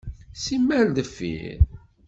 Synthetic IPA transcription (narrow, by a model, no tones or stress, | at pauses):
simːæɾðəfːḭɾ